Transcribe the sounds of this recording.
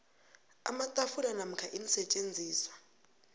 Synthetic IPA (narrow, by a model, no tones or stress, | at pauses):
a̰matʼafulanam̩kʰaʔinisɛt͡ʃʼend͡zʱiːswḁ